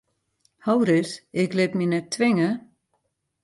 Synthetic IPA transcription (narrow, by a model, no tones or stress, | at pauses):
haːwɾɪsɪklɪt̪minɛt̪ʰvɪŋʏ